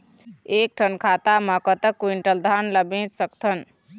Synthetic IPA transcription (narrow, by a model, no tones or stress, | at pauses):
ek̚ʈʰənkʰat̪aməkət̪əkːuwiɳʈəld̪ʱanləbĩt̪səkt̪ʰən